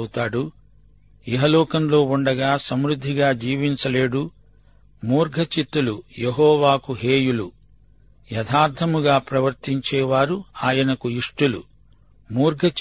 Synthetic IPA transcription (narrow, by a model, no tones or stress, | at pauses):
ut̪aːɽu | eɦɐlɔːkɐnlo̞ːuɳɖɐɡaːsɐmɾud̪ʱːiɡaːd͡ʒiːʋiɲt͡ʃɐleːɽu | muːɾɡʱɐt͡ʃit̪ːulujeɦɔːʋaːkuɦeːjulu | jɐd̪ʰʱaːɾt̪ʰɐmuɡaːpɾɐʋɐɾt̪iɲt͡ʃɛːʋaːɾuaːjɐnɐkuiʂʈulṵ | muːɾɡʱɐt͡ʃ